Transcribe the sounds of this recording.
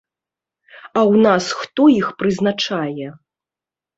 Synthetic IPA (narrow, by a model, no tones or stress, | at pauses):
awnasxt̪ɔixpɾɨznat͡ʂajɛ